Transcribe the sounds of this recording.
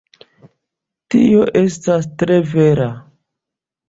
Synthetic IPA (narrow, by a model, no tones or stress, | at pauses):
tio̞ʔe̞stastɾe̞ve̞ɾa